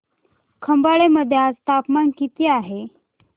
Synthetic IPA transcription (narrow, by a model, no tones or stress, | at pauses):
kʰəmbaɭeməd̪ʱːjat͡st̪apmankit̪iːaɦe